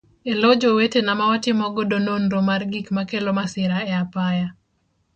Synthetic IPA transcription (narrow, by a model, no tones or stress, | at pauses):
elɔd͡ʒowetenamawatɪmɔɡɔdononɾomarɡikmakelɔmasɪɾaɛapaja